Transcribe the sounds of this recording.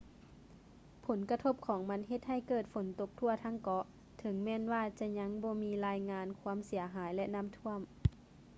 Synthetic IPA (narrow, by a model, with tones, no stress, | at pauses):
pʰo˩˦nka˧t̪ʰo˧˥p̚kʰɔː˩˦ŋma˧˥nɦe˧t̪̚ha˧˥˩jkɤː˧˨˩t̪̚fo˩˦nt̪o˧k̚t̪ʰu˧˥˩ɐt̪ʰa˧˥ŋkɔ˧˦ | t̪ʰɤ˨˦ŋmɛː˧˥˨nwaː˧˩t͡ɕa˧˩ɲa˧˥ŋbɔː˧˦miː˧laː˧jŋaː˧nkʰwa˧˥˨msi˩˦ɐɦaː˩˦jlɛ˧na˧˥˨mt̪ʰu˧˥˨əm